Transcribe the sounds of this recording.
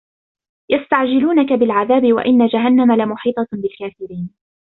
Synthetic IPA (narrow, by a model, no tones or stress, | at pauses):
jast̪aʕd͡ʒɪluːnakabɪlʕaðaːbɪwa̰ʔɪnːad͡ʒaɦanːamalamʊħiːt̪ˤɑbɪlkaːfɪɾiːn